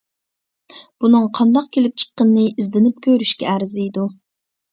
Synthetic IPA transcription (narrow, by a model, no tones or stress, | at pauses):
b̥unɨŋqʰɑnd̪ɑq̚kʲʰelɪp̚t͡ʃʰə̥qːənːɨizd̪ɪnɪp̚kʲʰøɾyʃkʲɛæɾzɪid̪u